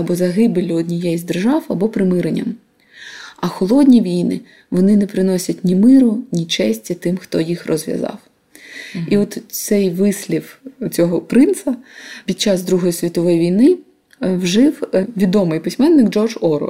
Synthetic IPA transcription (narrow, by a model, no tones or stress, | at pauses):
ɐbɔzɐɦɪbɪlʲʊɔd̪ʲnʲijɛjzʲd̪erʒɑwɐbɔpɾɪmɪɾenʲːɐ̰m | ɐxɔlˠɔdʲnʲiʋʲijnɪ̰ | ʋɔnɪnɛpɾɪnɔsʲɐt̚ʲnʲimɪɾʊnʲit͡ʃɛsʲtʲɐt̪ɪmxt̪ɔjixrɔzʋʲjɐ̰zɑ̰w | iɔt̪sɛjʋɪsʲlʲift͡sʲɔɦɔpɾɪnt̪sɐpʲid̪̚t͡ʃːɑzd̪ɾuɦɔjisʲʋʲit̪ɔʋɔjiʋʲijnɪ | wʒɪwʋʲid̪ɔmɪjpɪsʲmɛnːɪɡd͡ʒɔrd͡ʒɔɾɔ̰